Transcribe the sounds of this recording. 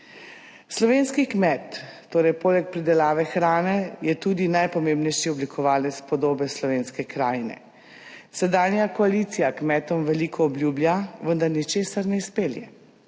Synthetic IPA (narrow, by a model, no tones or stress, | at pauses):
slɔʋeːnskikmɛt̪ː | oːɾɛjpoːlɛk̚pɾid̪ɛlaːʋɛxɾaːnɛjɛt̪uːd̪inajpɔmembnɛjʃiɔblikʰɔʋaːlɛt̪spɔd̪oːbɛslɔʋeːnskɛkɾaːjnɛ̰ | sɛd̪aːnjakɔalit̪sijakmɛt̪ɔmʋɛliːkʰɔːblʲjuːbljaʋənd̪aɾnit͡ʃeːsaɾnɛispeljɛ̰